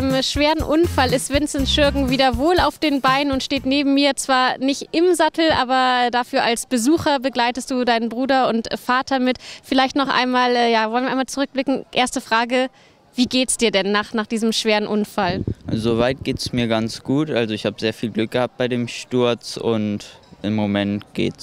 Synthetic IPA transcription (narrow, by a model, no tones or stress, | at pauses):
mʃv̥eːʁənʔʊnfalɪstv̥ɪnt͡sɛnsʃʏɐɡŋ̩viːdɐvoːla̰ʊfd̥eːnbaɪnənʊntʃteːtneːbm̩miːɐt͡sv̥aːɐnɪçtʔɪmzatl̩ʔaːbɐɛdafyːɐʔalsb̥əzuːxɐbəɡlaɪtəstd̥uːdaɪnənbʁuːdɐʊntfaːtʰɐmɪtfɪlaɪçtnɔχʔa̰ɪnmaːlɛːjaːvɔlənvːɐaɪmalt͡suʁʏk̚b̥lɪkŋ̩ʔeːɐstəfʁ̥aːɡə | viːɡeːtsd̥iːɐdɛnːaːχnaːχd̥iːzəmʃv̥eːʁənʔʊnfalzoːvaɪt̚ɡ̥eːtəsmiːɐɡant͡sɡ̥uːtʔalzoɪçhaːbəzeːɐfiːlɡlʏk̚ɡ̥əhap̚t̚b̥aɪdeːmʃtʊɐt͡sʊ̰ntʔɪmːomɛntɡ̥ḛːts